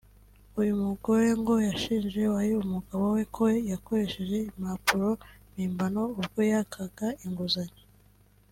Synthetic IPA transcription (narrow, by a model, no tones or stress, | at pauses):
ujumuɡo̞ɾe̞ŋɡo̞jaʃiːnd͡ʒe̞wajiumuɡaβowe̞kʰojako̞ɾe̞ʃe̞ʒe̞imapuɾo̞miːmbano̞uβɡo̞jakʰaɡaiŋɡuzaɲe